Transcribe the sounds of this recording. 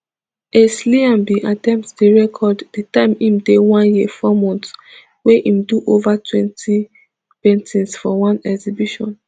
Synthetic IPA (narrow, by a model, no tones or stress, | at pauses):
esliãmbiʔatɛ̃mp̚tdeɹɛkʰɔdditãɪ̃mĩmdewãnjifɔmɔ̃nts | weʔĩmduʔovatʰwɛ̃ntʰi | pɛ̃ntʰĩnsfɔwãnɛɡzibiʃɔ̰̃n